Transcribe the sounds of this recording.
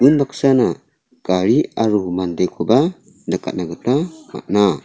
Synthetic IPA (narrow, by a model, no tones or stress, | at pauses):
unbaksana | kaɾiaɾuɦumandɛkʰɔba | daka̰naɡat̪ama̰ʔna